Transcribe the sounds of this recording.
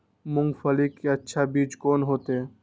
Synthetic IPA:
mʊ̃ŋɡfɐlikːeɐtːʃʰabiːt͡ʃkoːnɦoːt̪ɦɛː

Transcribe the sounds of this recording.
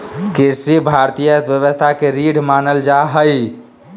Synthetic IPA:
kiɾsibʱaɾt̪ijəbjəβəst̪ʰakeɾiɽmanəld͡ʒaɦəj

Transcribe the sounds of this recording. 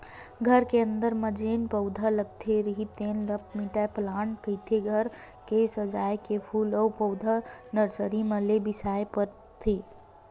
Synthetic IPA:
ɡʱəɾkeə̃nd̪əɾməd͡ʒeːnpəʊd̪ʱaləɡ̚t̪ʰeɾəɦit̪enləp̚ʰmiʈaplaːɳkət̪ʰeɡʱəɾ | kesəd͡ʒaːjkepʰuːlɔwpəʊd̪ʱanəɾsəɾiməlebɪsaːepəɾ | t̪ʰe

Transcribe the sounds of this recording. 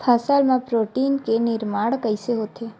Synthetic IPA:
pʰasalmãpɾoʈiːnkenɪɾmaɽkəjseɦot̪ʰe

